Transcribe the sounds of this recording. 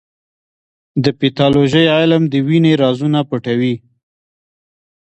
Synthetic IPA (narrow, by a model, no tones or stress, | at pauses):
d̪əpit̪ɑloʒəjɑjlamd̪əwineɾɑzunapəʈawi